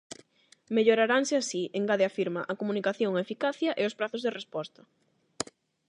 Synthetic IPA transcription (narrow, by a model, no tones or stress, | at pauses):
meʎoɾaɾaŋsɪasieŋɡaðeafiɾmɐʔɐkomunikaθjoŋaefikaθjɐʔeospɾaθozðerespɔst̪ɐ